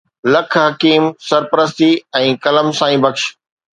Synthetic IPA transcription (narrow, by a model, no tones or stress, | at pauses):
lɐkʰɦɐkiːmsɐɾpəɾəst̪iɛ̃ːkɐləmsãːĩːbɐkʃ